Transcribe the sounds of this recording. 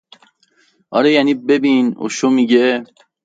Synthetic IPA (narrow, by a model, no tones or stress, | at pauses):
ʔɒɾejæniːbebino̰ʃomiɟe